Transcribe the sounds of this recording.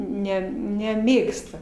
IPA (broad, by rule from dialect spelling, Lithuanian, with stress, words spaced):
ˈnʲɛ nʲɛˈmʲeːkstɐ